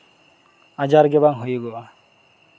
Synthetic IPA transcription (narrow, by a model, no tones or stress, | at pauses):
ad͡ʒaɾɡɛbaŋɦojɡɔwa